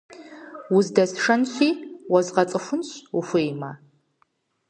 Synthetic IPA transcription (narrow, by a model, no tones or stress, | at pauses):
wʊzdɐsʂɐnɕiːwɐzʁɐt͡sʼɨxʷʊnɕufʷʊjma